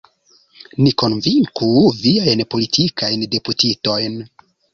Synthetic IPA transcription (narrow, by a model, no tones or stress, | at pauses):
niko̞nviŋkuviajnpo̞litʰikʰajnde̞putito̞jn